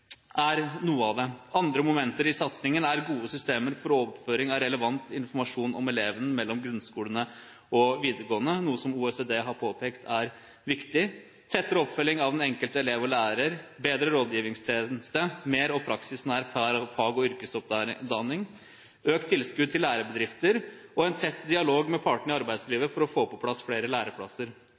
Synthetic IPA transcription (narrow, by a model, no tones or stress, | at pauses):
ʔæɾnuːəɑʋd̪ɛɑnd̪ɾəmʊmɛnt̪əɾɪsɑt̪snɪŋənæɾɡuːəsʏst̪eːməɾfɔɾɔpføːɾɪŋɑɾɛləʋɑnt̪ɪnfɔɾmɑʂuːnʔɔ̰mɛleːʋənəmɛlːɔmɡɾʉnskuːlənə | ʔɔʋiːd̪əɾɡoːənənuːəsɔmuːɛseːd̪eːɦɑɾpʰoːpʰeːkt̪ʰæɾ | ʋɪkt̪ɪ | t̪ʰɛt̪ːəɾɔpfœlɪŋɑʋɛnɛŋkəlt̪əɛleːʋɔlæːɾəɾbeːd̪ɾəɾoːd̪jiːʋɪŋst̪ʰeːnst̪əmeːɾɔpʰɾɑksɪsnæɾfæːɾfɑːɡɔʏɾkəsɔp̚d̪ɑnːɪŋ | øːk̚t̪ʰːɪlskʉd̪t̪ɪlːæːɾəbəd̪ɾɪft̪əɾɔɛnt̪ʰɛt̪ːd̪ɪɑloːɡmɛpʰɑːʈɳəɪɑɾbæɪd̪sliːʋəfɔɾɔfoːpɔpʰlɑsfɽeːɾəlæːɾəpʰɽɑsəɾ